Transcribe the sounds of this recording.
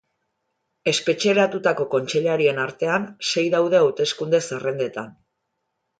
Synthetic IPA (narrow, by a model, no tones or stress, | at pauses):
e̞spe̞t͡ʃe̞ɾat̪ut̪ako̞ko̞nt͡ʃe̞ʎaɾie̞naɾt̪e̞anse̞jðawðe̞awt̪e̞skund̪e̞sere̞nd̪e̞t̪an